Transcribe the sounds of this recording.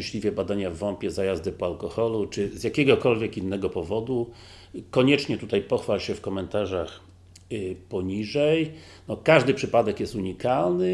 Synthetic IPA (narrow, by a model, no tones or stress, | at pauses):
ɕlʲivʲjɛbad̪aɲavːɔmpʲjɛzajazd̪ɘpɔalkɔxɔlut͡ʂɘzjakʲɛɡɔkɔlvʲjɛkinːɛɡɔpɔvɔd̪u | kɔɲɛt͡ʂɲɛt̪ut̪ajpɔxfalɕɛfkɔmɛnt̪aʐax | pɔɲiʐɛj | nɔkaʐd̪ɘpʂɘpad̪ɛkjɛst̪uɲikalnɘ